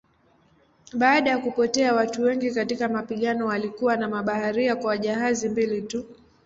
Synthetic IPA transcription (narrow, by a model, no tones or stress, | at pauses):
ɓaːɗajakupɔtɛawatuwɛŋɡikatikamapiɠanɔwalikuwanamaɓahaɾiakwawaʄaɦazimbilitu